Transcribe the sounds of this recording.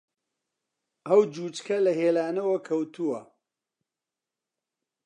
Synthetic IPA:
ɐwd͡ʒuːt͡ʃkʰɐlɐɦeːlaːnɐwɐkʰɐwt̪uwɐ

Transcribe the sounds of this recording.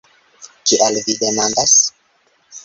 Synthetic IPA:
t͡ʃiʔalvidemandas

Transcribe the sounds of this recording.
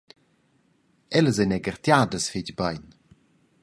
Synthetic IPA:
ɛləzənɛɡərtjaːdəsfiɟbəjn

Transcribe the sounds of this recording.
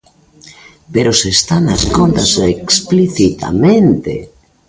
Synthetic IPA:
peɾosest̪anaskont̪asekspliθit̪a̰mẽnt̪ḛ

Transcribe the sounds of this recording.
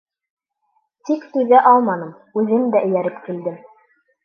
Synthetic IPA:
t̪ikt̪ʉðæʔɑlˠmɑnɤm | ʉðɘmd̪æʔɘ̆jæɾɘpkild̪ɘm

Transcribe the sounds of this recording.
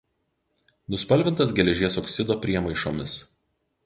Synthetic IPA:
nʊspɐlʲˑʋʲɪnt̪ɐs̬ɡʲɛlʲɛʒʲiɛsɔksʲɪd̪oːpʲɾʲiɛmɐɪʃo̰ːmʲɪs

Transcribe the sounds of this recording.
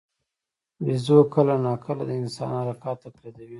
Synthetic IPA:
wizokəlanɑkʰəlad̪əɪnsɑ̰nhaɾakɑt̪ːapɾad̪awi

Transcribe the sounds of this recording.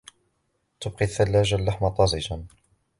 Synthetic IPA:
t̪ʊb̚qiθːalːaːd͡ʒalːaħmat̪ˤːɑzˤɪd͡ʒan

